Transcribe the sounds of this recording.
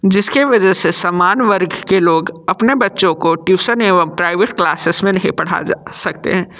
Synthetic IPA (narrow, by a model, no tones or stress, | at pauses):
d͡ʒɪskiʋɐd͡ʒɛsesaːmaːnʋəɾɡkeloːɡɐpnebɐtːʃõkoʈuːsəneʋəmpɾaːɪʋeʈklaːsɪsmẽnɐɦĩpɐɽ̤a̰d͡ʒasɐkt̪ḛɦɛ̃ː